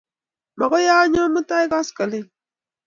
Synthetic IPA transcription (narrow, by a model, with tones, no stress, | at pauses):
ma˨ɣo˦ja˦ɲɔ˦mɨ˦ta˦jka˦skə˨lɪ˦